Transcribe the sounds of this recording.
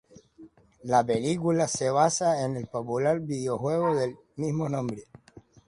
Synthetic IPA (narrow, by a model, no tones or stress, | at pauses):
lapelikulaseβasaenelpopulaɾbiðeoxwe̞ɣoðel | mizmonõmbɾe